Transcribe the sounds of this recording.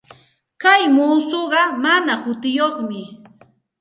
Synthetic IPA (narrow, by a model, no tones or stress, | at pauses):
kajmuːsoɢɑmanahʊt̪ɪjoχmɪ